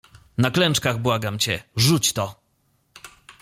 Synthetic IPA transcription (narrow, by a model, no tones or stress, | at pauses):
naklɛnt͡ʂkaɣbwaɡamt͡ɕɛʐut͡ɕt̪ɔ